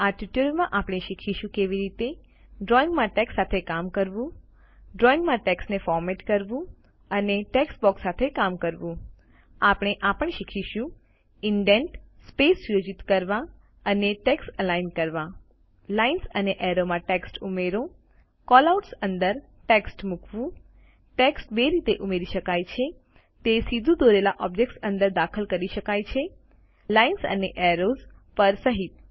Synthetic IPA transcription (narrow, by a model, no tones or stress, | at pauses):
aʈuʈjuɖmãʔapɽ̃eʃikʰiʃũkeʋiɾit̪e | ɖɾɔiŋɡmãʈeksːat̪ʰekamkəɾʋũ | ɖɾɔĩŋɡmãʈeksʈnefɔɾmeʈkəɾʋũ | əneʈeksʈbɔksːat̪ʰekamkəɾʋũ | apɳ̃eʔapəɳ̃ʃikʰiʃũ | ɪɳɖeɳʈspesjod͡ʒit̪kəɾʋã | əneʈeksʈəlainkəɾʋã | lainsəneʔɛɾomãʈeksʈumeɾõ | kɔlauʈsənd̪əɾ | ʈeksʈmukʰʋũ | ʈeksʈbeɾit̪eʔumeɾiʃəkajt͡ʃʰe | t̪esid̪ʱũd̪oɾelaʔɔbd͡ʒek̚ʈsə̃nd̪əɾd̪akʰəlkəɾiʃəkajt͡ʃʰe | lainsə̰neʔeɾozpəɾsəɦit̪̚